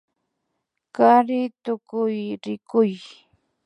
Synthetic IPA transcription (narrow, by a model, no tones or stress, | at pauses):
kaɾɪt̪ʊkʊjɾɪkʊj